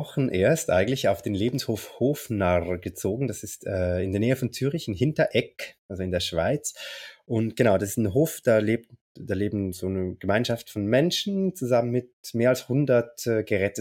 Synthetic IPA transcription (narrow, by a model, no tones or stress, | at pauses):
ɔχn̩ʔeːɐstʔa̰ɪɡŋ̩tlɪçaʊfd̥eːnleːbn̩shoːfhoːfnaʁɡət͡soːɡŋ̩d̥asɪstɛːɪndeɛɐnɛːəfɔnt͡syːʁɪçɪnɦɪntɐʔɛkʔalzoɪndeːɐʃv̥aɪt͡sʔʊntɡ̥ənaʊd̥asɪstnɦoːfd̥aːleːp̚t | d̥aːleːbm̩zoːnəɡ̥əmaɪnʃaftfɔnmɛnʃn̩t͡suzamənmɪtmeːɐalshʊndɐtɛːɡəʁɛtə